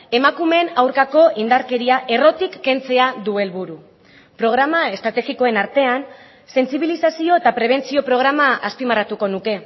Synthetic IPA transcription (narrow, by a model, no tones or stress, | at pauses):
e̞makume̞nawɾkako̞ʔind̪aɾke̞ɾiaʔe̞ro̞t̪ikːe̞nt͡se̞aðue̞lβuɾu | pɾo̞ɣɾamae̞st̪ɾat̪e̞ɣiko̞e̞naɾt̪e̞an | se̞nsiβ̞ilisasio̞e̞t̪apɾe̞β̞e̞nt͡sio̞pɾo̞ɣ̞ɾamaaspimarat̪uko̞nuke̞